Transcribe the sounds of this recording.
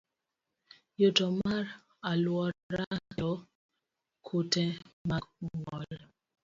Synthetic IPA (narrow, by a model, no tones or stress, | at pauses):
jotɔmaɾ | alwɔɾatɔ | kʰutɛmaŋɔl